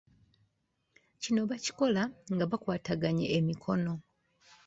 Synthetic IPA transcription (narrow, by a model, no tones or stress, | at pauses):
cino̞βaci̥ko̞laŋɡaβakwaːtaɡaɲḛːmikʰo̞no̞